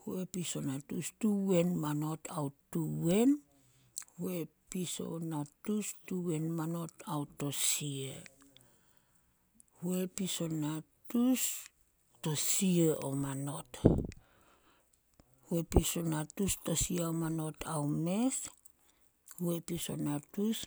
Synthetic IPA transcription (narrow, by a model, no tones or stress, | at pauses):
huepiso̞natustuwe̞nmano̞tʰawtːuwe̞n | huepiso̞̰natustuwe̞nmano̞tawtːo̞sie | hue̞piso̞natus | to̞sieʔo̰mano̞t | hwepisonatusto̞siaomano̞tʰawmes | huepiso̞̰natus